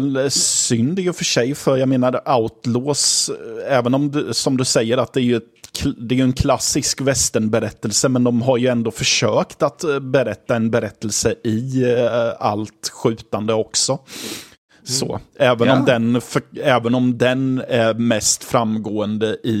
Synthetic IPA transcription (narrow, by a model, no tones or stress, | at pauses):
lsʏnd̪æɾjɵfœʂɛjfœɾjaɡmeːnaɾaʊt̪loːsɛːvənɔmd̪sɔmd̪ɵsɛjːəɾat̪̚d̪ɛæɾjɵɛt̪ʰd̪ɛːjɵɛnkʰlasːɪskvɛst̪əɳbɛɾɛt̪ːəlsəmɛnd̪ɔmɦaɾjɵɛnd̪oːfœʂøːkt̪at̪bɛɾɛt̪ːaɛnbɛɾɛt̪ːəlsəʔɪ | a̰lt̪ɧʉ̟ːt̪and̪əɔksɔ | so̰ːɛːvənɔmd̪ɛnfœɛːvənɔmd̪ɛnæɾmɛst̪fɾamːɡoːənd̪əʔɪ